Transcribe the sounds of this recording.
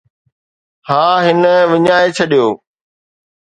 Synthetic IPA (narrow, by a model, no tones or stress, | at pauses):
haːɦɪnəʋɪɲaːet͡ɕʰɐɗijoː